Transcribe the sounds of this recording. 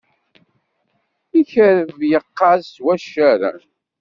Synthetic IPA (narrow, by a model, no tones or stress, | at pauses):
içəɾəvjəqːɑzwæʃæɾa̰